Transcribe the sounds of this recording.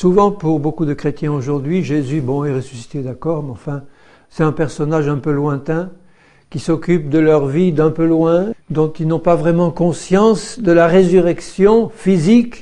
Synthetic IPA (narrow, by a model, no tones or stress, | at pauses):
suvɑ̃puʁbokud̪əkχet̪jɛ̃oʒuʁd̪ɥiʒezybɔ̃ɛʁesysi̥t̪ed̪akɔʁmɑ̃fɛ̃ | sɛt̪ɛ̃pɛʁsɔnaʒɛ̃pølwɛ̃t̪ɛ̃ | kʲisɔkʲyp̚d̪əlœʁvid̪ɛ̃pølwɛ̃d̪ɔ̃t̪ilnɔ̃pavʁɛmɑ̃kɔ̃sjɑ̃sd̪əlaʁezyʁɛksjɔ̃fizik